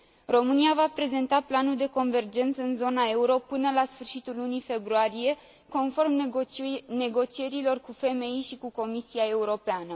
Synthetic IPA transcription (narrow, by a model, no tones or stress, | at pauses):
ro̞mɨniavapɾe̞ze̞nt̪aplanuld̪e̞ko̞nve̞rd͡ʒe̞nt̪səɨnzo̞nae̞uɾo̞pɨnəlasfɨrʃit̪ulːunife̞bɾuaɾije̞ | ko̞nfo̞rm | ne̞ɡo̞t͡ʃie̞ɾilo̞rkufe̞me̞iʃikuko̞misiae̞uɾo̞peanə